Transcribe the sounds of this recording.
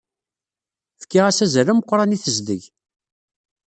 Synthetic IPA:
fə̥kːiʁæsæzəɾəməqʷːɾˤɑniθəzd̪ə̰ʝ

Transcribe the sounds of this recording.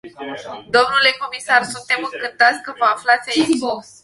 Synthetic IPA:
d̪o̞mnule̞ko̞misarsunt̪e̞mɨŋkɨnt̪at̪sʲkəməaflat̪sʲaipo

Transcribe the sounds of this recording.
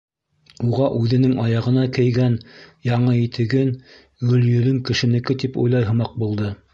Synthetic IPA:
uʁɑʔʉðɘ̆nɘŋɑjɑʁɤ̆nɑkɘ̆jɡænjɑɴɤit̪ʰɘ̆ɡɘn | ɡɵ̆ljɵ̆lɘŋkɘ̆ʃɘ̆nɘ̆kɘt̪ipṵjlˠɑjɦɤ̆mɑq̚bulˠd̪ɤ

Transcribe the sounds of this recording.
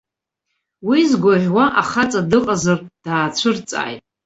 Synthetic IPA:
wizɡʷaʁʲʷᶣwaʔaχat͡sʼadɨqʼazard̥aːt͡ɕʷʰɨrt͡sʼa̰ːjtʼ

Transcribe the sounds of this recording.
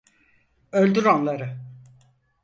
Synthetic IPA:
ølʲd̪yɾanlˠaɾɯ

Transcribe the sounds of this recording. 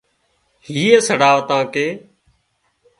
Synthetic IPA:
hiːesəɽaːʋt̪ãːkeː

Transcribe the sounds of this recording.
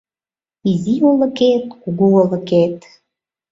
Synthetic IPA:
iziolə̆ket̪̚kuɡuolə̆ket̪

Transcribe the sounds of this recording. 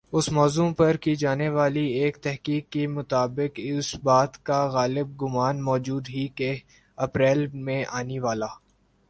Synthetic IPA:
ʊsmɔːzũpɐɾkid͡ʒaːneʋaːlieːkt̪ɛɦkiːkːemʊt̪aːbɪkɪsbaːt̪kaɣaːlɪb̚ɡʊmaːnmɔːd͡ʒuːd̪ɦike | ɐpɾɛːlmẽʔaːniʋaːlaː

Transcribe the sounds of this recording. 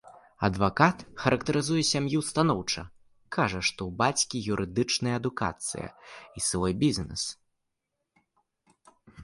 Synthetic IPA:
ɐd̪vakat̪xɐɾɐkt̪ɐɾɨzujɛsʲamjust̪anɔwt͡ʂɐ | kʰaʐɐʂt̪ɔwbat͡sʲkʲijuɾʔɨd̪ɨt͡ʂnɐjɐːd̪uka̰t̪sɨ̰jɐ̰isvɔjbʲizʲnɛ̰s

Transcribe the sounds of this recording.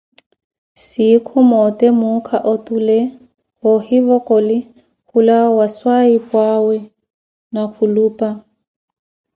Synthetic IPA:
sikʰʊmɔtʼɛmukʰaʔɔtʼulɛ | hɔhivɔkʼɔlɪ | hulawaswaipʼwawɛ | nakʰuluːpʼa

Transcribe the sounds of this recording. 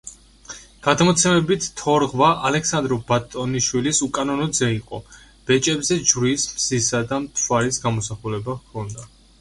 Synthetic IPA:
ɡ̥ad̪mɔt̪sʰɛmɛbit̪ːʰɔɾʁvaʔalɛksand̪ɾɔbat̪ʼɔniʃwilisukʼanɔnɔd̪zɛiqʼɔ̰ | b̥ɛt͡ʃʼɛbzɛd͡ʒvɾismz̥isad̪amt̪ʰwaɾisɡamɔsaχulɛbaʁkʰɔnd̪a

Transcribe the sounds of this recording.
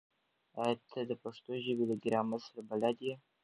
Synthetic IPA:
ɑjat̪ʰad̪əpaʂt̪oʒəbed̪əɡɪɾɑmasɾabalad̪je

